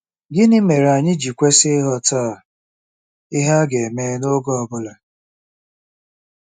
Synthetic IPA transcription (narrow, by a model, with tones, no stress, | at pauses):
ɡɪ˦nɪ˦me˨ɾa˨ɲɪ˦d͡ʒi˨kʷe˦sɪ˦ɦɔ˦ta˦˨ | ɪ˦ɦa˦ɡe˨meː˦no˦ɡɔ˦ɔ˨bʊ˦la˨